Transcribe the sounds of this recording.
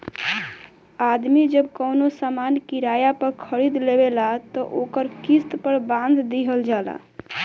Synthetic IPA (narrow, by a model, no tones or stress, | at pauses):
ad̪mid͡ʒəbkəwnosamankiɾajapəɾkʰəɾid̪lebelat̪ɔʔokəɾkist̪pəɾbãnd̪ʱd̪iɦəld͡ʒala̰